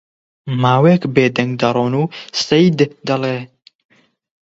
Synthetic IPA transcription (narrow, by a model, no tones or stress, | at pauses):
maːweːkbeːd̪ɐŋɡ̚d̪ɐɾˤoːnuːsɐjd̪d̪ɐleː